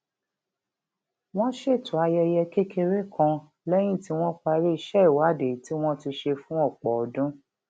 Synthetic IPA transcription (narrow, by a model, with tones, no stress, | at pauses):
w̃ɔ̃˦ʃe˦˨tũ˨a˧jɛ˧jɛ˧ke˦kʰe˧ɾe˦kʰã˧ | lɛ˦j̃ĩ˦˨ti˦w̃ɔ̃˦k͡pa˧ɾe˦i˧ʃɛ˦i˨wa˨˦de˨ti˦w̃ɔ̃˦ti˧ʃe˧fũ˦ɔ˦˨k͡pɔ˨ɔ˨dũ˦